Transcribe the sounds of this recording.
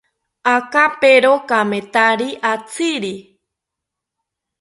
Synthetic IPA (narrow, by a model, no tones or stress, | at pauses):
akapeɾokamẽt̪aɾiʔat͡sɨɾi